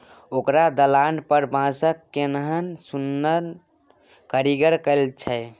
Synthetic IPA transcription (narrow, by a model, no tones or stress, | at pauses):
okɾad̪əlanpəɾbʱãsəkːenəɦənsunːən | kəɾiɡəɾkəɪlt͡ʃʰə